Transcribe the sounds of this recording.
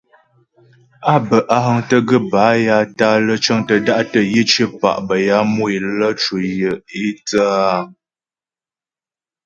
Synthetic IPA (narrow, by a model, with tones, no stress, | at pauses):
a˦bə˨ʔa˦ɦə˨ŋtə˦ɡə˦ba˨˦ja˦ta˦lə˦t͡ʃə˦ŋtə˨da˦ʔtə˦˨ji˦t͡ʃə˦pa̰˨ʔbə˨ja˦mu˦i˨lə˦t͡ʃu˨jə˨i˦t͡sə˦a˦